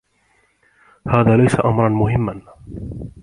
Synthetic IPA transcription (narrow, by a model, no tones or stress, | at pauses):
haːðaːlajsaʔamɾˤɑnmʊhɪmːan